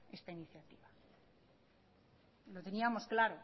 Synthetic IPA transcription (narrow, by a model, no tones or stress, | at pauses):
e̞st̪ainiθjat̪iβa | lo̞t̪e̞niamo̞sklaɾo